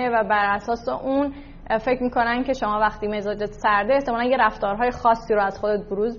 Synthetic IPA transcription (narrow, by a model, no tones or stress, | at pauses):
evæbæɾæsɒːseʔun | fe̞cʰmiːkʰo̞næncʲʰe̞ʃomɒːvæxt̪iːme̞zɒːd͡ʒet̪ʰsæɾd̪eeht̪ʰemɒːlænjeɾæft̪ɒːɾɦɒːje̞xɒːsːiːɾoæz̥xod̪et̪̚boɾuːz